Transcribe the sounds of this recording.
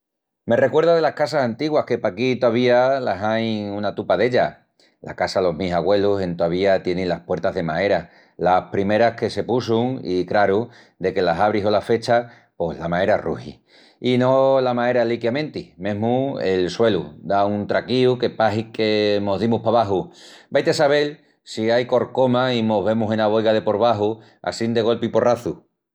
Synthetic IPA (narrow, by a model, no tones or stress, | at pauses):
me̞re̞kwe̞ɾðað̞e̞lahkasasant̪iɣwahke̞pakit̪oaβ̞ialasajŋunat̪upaðe̞ʎa | la̰kasalo̞ɦmisaɣwe̞luse̞nt̪oaβ̞iat̪je̞neŋlahpwe̞ɾt̪aɦðe̞mae̞ɾa | lapɾimeɾahke̞se̞pusuŋḭkɾaɾu | d̪e̞ke̞lasaβ̞ɾiɦo̞lafe̞t͡ʃa | po̞zlamae̞ɾarṵhḭ | ino̞lamae̞ɾalikjamẽ̞nt̪imẽ̞ɦmue̞lswe̞lṵd̪aunt̪ɾakiuke̞paɦike̞mo̞ðimuhpaβaɦubajt̪esaβ̞e̞l | siajko̞ɾko̞maimo̞ɦβe̞musenaβ̞o̞jɣaðe̞po̞ɾβaɦu | a̰sind̪e̞ɣo̞lpipo̞raθu